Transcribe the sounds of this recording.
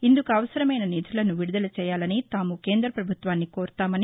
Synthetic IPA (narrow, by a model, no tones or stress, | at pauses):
ind̪ukuɐʋɐsɐɾɐmɐjnɐniːt̪ʰulɐnuʋiɽud̪ɐlɐt͡ʃɛːjaːlɐnit̪aːmuke̞ːnd̪ɾɐpɾɐbʱut̪ʋaːnːikoːɾt̪aːmɐni